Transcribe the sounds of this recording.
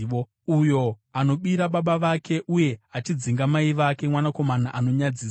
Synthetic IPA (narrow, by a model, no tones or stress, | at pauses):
o | ujo̞ano̞ɓiɾaɓaɓaʋakʰe̞ʔuje̞at͡ʃid͡ziŋɡamaiʋakemwanako̞manaʔano̞ɲad͡ziːs